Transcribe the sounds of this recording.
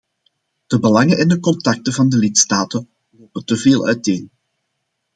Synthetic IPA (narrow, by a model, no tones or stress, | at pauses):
d̥əbəlɑŋənɛndəkɔntɑk̚təvɑndəlɪtstaːtən | loːpəntəveːlˠʔœ̰ɥteːn